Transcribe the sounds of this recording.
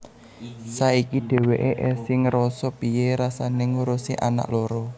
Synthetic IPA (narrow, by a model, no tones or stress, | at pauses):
saikiɖ̥ɛ̤weʔeʔɛsɪŋɾɔsɔpijeɾasaneŋuɾusiʔa̰na̰ʔlɔɾɔ